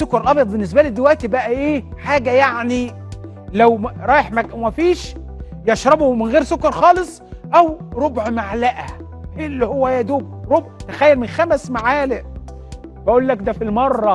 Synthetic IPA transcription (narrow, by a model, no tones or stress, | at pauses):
sokːɑɾˤʔɑbjɑd̪ˤbenːes̬bælid̪ewæʔt̪ibæʔæʔeːħaːɡæjaʕni | læwɾˤɑːjeħmækʔæwmæfiːʃ | jɑʃɾˤɑbomɪnɣeːɾsokːɑɾˤxɑːlesˤʔæwɾˤobʕmaʕlæʔæ | ʔelːihowːæjæd̪uːb̚ɾˤobʕt̪æxæjːælmenxæmæsmaʕaːleʔ | bæʔuːlːækd̪æfilmɑrˤːɑ